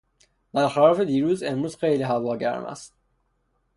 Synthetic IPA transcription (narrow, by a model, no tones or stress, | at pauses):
b̪̥æɾxælɒːfed̪iːɾuːzemɾuːzxejliɦævɒːɟæ̰ɾmæ̰st̪̚